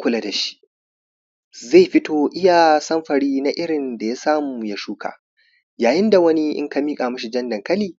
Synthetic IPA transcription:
kʷʊ˦la˨da˨ʃi̥˦ʔ | za˦˨ɸɪ˦toː˦ʔɪ˦ja˨sɐ˦mɸɐ˨ɽiː˦na˦ʔɪ˦ɽɪ˨nda˨ja˦saː˦muː˨ja˦ʃuː˦kʰa̰ː˨ | jaː˨jɪ˦nda˨wɐ˦ni˦ʔɪ̰˦ŋka˦miː˦kʼaː˨mʊ˦ʃi˨d͡ʒɐ˦ndɐ˨ŋkɐ˦liː˨

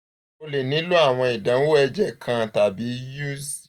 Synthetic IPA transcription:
o˧le˨nĩ˨˦lu˦a˦˨w̃ɔ̃˧i˨dã˨˦n˦wo˦ɛ˧d͡ʒɛ˨kʰã˧˨ta˨bi˨˦ju˦s

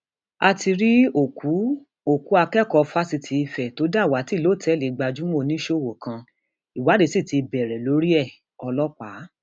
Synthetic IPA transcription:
a˧ti˧ɾi˦o˦˨ku˨˦ | o˦˨ku˨˦a˧kɛ˦˨kɔ˧fa˦si˧tʰi˨˧i˧fɛ˨to˨˦da˦˨wa˨˦ti˦˨lo˨˦˨tʰɛ˨˦le˨ɡ͡ba˧d͡ʒu˦mo˦˧˨nĩ˦ʃo˦˨wo˨kã˧ | i˨wa˨˦de˨˧˦si˦˨ti˧bɛ˨ɾɛ˨lo˨˦ɾi˦ɛ˦˨ | ɔ˧lɔ˦k͡pa˨˦

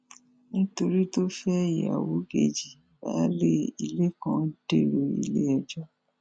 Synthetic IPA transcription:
nĩ˦to˧ɾi˦to˦fɛ˦˨jḭ˨a̰˨wo˨˦ɡe˧˨d͡ʒi˨ | ba̰˦le˦i˨le˦kã˦de˦˨ɾe˨ḭ˨le˦ɛ˧d͡ʒɔ˦

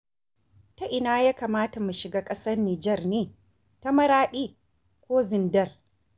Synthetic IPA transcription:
ta˦ʔɪ˨naː˦jaː˦kaː˨maː˦ta˨mu˨ʃɪ˨ɡaː˦kʼɐ˦sɐ˦rniː˨d͡ʒɛ˦˨rneː˦ | ta˦mɐ˦ɾaː˦ɗiː˦ | kʷoː˦zɪ˨ndɐ˦r

